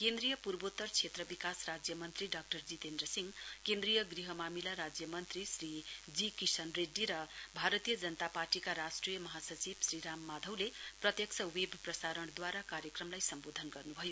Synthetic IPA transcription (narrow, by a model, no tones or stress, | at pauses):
kend̪rijʌpurbot̪ːʌrt͡sʰet̪rʌbikasrad͡zjʌmʌnt̪riɖak̚ʈʌrd͡zit̪end̪ɾʌsiŋkend̪rijʌɡriɦʌmamilaɾad͡zjʌmʌnt̪risrid͡zikisʌnreɖːiɾʌbʱaɾʌt̪ijʌd͡zʌnt̪aparʈikaɾasʈrijʌmʌɦasʌt͡sibsɾiɾamːad̪ʱʌwleprʌt̪jʌksʰʌwebʱprʌsaɾʌɳ̃d̪waɾakaɾjʌkrʌmlajsʌmbod̪ʱʌnɡʌrnubʱʌjo